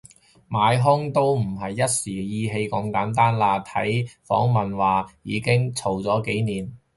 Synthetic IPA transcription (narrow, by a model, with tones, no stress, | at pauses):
maː˨˧jɦʊ˥ŋt̪o˥wm̩˨˩ɦɐ˨jːɐ˥t̚siː˨˩jiː˧ɦe˧jkɐ˧mkaː˨˥nt̪aː˥nlaː˧t̪ʰɐ̰˨˥jfɔ̰ː˨˥ŋmɐ˨nwaː˨jḭː˨˧kɪ˥ŋt͡sʰo˨˩wt͡sɔː˨˥ke˨˥jniː˨˩n